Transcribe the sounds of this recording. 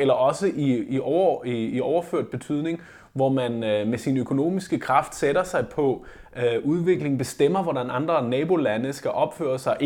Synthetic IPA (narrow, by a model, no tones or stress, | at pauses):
elɐʔɒ̽səʔiiɒiiɒʊɐføɐ̰d̥̚b̥e̝t͡sʰyð̰ˠne̝ŋ | ʋɒmænmesinøkʰo̝no̝̰ːmisɡ̥əkʰʁɑ̈fd̥seɾɐsɑ̈ɪpʰɒ̽ | ʔuð̞ˠʋe̝ɡ̥le̝ŋ̩b̥e̝sd̥em̰ɐʋɒdænɑ̈nd̥ʁɐnɛːb̥o̝lænəsɡ̥æʔɒ̽b̥fø̰ːɐsɑ̈ɪʔ